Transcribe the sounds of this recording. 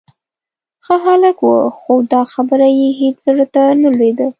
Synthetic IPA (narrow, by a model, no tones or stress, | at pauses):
xəɦaləkwə̰xod̪ɑxabəɾajeɦet͡szəɾət̪analwed̪ə